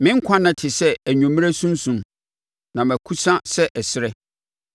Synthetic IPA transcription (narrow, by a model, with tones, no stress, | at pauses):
mɪ̃˦ŋ̩˦kʷʰã˦nã˨tʰɪ˨sɛ˦æ˨ɲũ˨mĩ˦ɾæ˦sũ˦n˦sũ˦m | nã˨mæ̃˨kʰu˦sã˦sɛ˦ʔɛ˨sɪ˦ɾɛ˦